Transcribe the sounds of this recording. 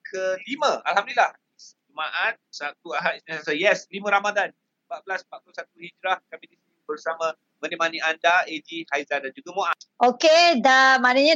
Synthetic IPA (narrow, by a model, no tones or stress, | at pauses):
kʰəlimə̃a̰lɦamduilah | is | umaʔat̪̚sat̪̚uaɦat̚siasəjɛslimə̃ɾamadan | pat̪̚blaspat̪̚kləsat̪̚uhid͡ʒɾahkamidisiinibərsamã | mə̃nimaniandaedihajzandand͡ʒuɡamoʔaokedamãnəɲã